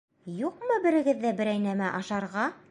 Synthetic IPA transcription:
juqmɤbɘ̆ɾɘ̆ɡɘ̆ðːæbɘ̆ɾæjnæmæʔɑʃɑɾʁɑ

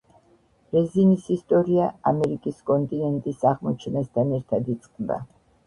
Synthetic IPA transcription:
ɾɛzinisist̪ʼɔɾiaamɛɾikʼiskʼɔnt̪ʼinɛnt̪ʼisaʁmɔt͡ʃʰɛnast̪ʰanɛɾt̪ʰad̪it̪sʼqʼnd̪a̰

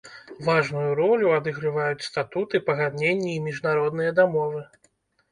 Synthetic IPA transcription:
vaʐnujuɾɔlʲuad̪ɨɣɾɨvajut͡sʲst̪at̪ut̪ɨpɐɣad̪nʲenʲːɛimʲiʐnaɾɔd̪nɨjɐd̪amɔvɨ

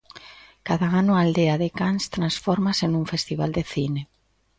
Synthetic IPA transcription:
kaðaanʊald̪eaðekanst̪ɾansfɔɾmasenũɱfest̪iβa̰ld̪eθine

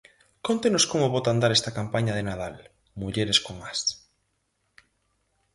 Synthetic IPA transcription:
kont̪enoskomoβot̪and̪aɾest̪akampaɲaðenað̞al | muʎeɾeskoŋas

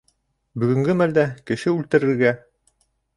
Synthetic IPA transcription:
bɵ̆ɡɵ̆ŋɡɘmæld̪ækɘ̆ʃɘʉlt̪ɘ̆ɾɘ̆ɾɡæ

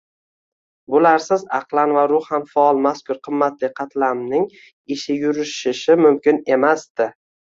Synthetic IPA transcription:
bʊlaɾsɪzɑqlˠanvaɾʊhhamfaɒlˠmaskʊɾqʰɨmːat̪lɪqʰɑt̪ʰlaɾmnɪŋ | ɪʃɪjʊɾɪʃɪʃɪmʊmkʲɪne̞masd̪ɪ

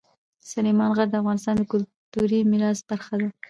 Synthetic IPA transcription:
salemɑnɣaɾd̪əafɣɑnɪst̪ɑnd̪əkʊlt̪uɾimɪɾɑsb̥aɾxad̪a

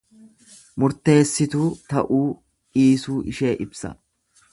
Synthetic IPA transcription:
mʊɾt̪e̞ːsːɪt̪uːt̪ɐʔuː | iːsuːʔɪʃeːʔɪbsɐ̰

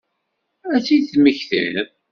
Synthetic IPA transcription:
æt͡sːiθməçθə̰n

